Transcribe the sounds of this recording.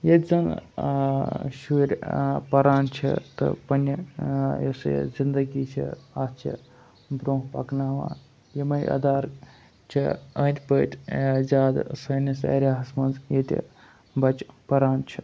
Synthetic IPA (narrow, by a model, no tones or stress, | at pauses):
jet̪ʲzɐŋ | ʃuɾʲpɐɾaːnt͡ʃʰḭt̪ɨ̰pɐnʲɐjɐsj̰zind̪ɐɡiːt͡ʃʰḭaːst͡ʃʰḭ | bɾoːɦpɐ̰knaːʋa̰ː | jemɐjʔɐ̰d̪aːɾ | t͡ʃʰiɐ̃ːnʲt̪ʲpəːt̪ʲzʲaːd̪sɐːnisɐ̰ːɾʲaːɦɐsmɐnzjet̪ʲḭ | bɐt͡ʃpɐɾaːnt͡ʃʰi